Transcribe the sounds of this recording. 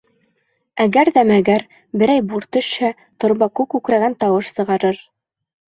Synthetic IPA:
æɡæɾðæmæɡæɾ | bɘ̆ɾæjbuɾt̪ɵ̆ʃhæ | t̪ŏɾβɑkʉkʉkɾæɡænt̪ɑwɤʃsɤ̆ʁɑɾɤɾ

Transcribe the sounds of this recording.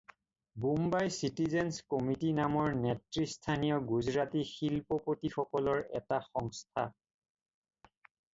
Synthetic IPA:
bumbajsitizɛnskomitinamɔɹnɛtɹistʰanijɔɡuzɹatixilpɔpotixɔkɔlɔɹɛ̰taxɔŋstʰa̰

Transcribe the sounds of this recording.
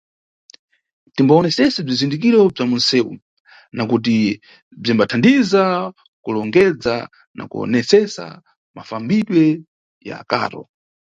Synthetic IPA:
timbaɔnɛsɛsɛb͡ʐizindik̬iɾɔb͡ʐamun̩sɛːṵ | nakut̬i | b͡ʐimbatʰandiza | kulɔŋɡɛd͡za | na̰kuɔ̰nɛsɛsa̰ | mafambiɗwɛ | ja̰ːka̰ːɾɔ̰

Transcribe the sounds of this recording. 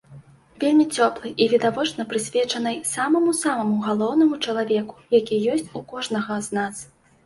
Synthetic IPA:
vʲelʲmʲit͡sʲɔplˠɨʔivʲid̪avɔt͡ʂnɐpɾɨsʲvʲɛt͡ʂɐnɨjsamɐmusamɐmuɣalˠɔwnɐmut͡ʂɐlˠavʲɛku̥jakʲijɔsʲt͡sʲukɔʐnɐɣɐznas

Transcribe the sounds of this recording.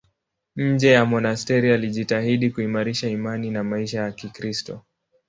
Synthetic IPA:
ɲ̩d͡ʒɛjamɔnastɛɾialiʄitahiɗikuimaɾiʃaimaninamaiʃajakikɾistɔ

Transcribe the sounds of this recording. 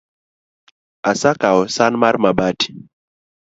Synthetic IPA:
asakaɔsanmaɾmabati̥

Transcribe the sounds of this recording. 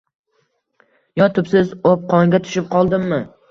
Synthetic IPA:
jɒt̪ʰʊpsɪzop̚qʰɒŋɡʲat̪ʰʊ̥ʃɪp̚qʰɒlˠd̪ɪmːɪ

